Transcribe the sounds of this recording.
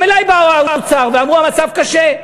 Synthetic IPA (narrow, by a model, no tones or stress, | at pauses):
elajbaaut͡saʁveamʁuamat͡savkaʃe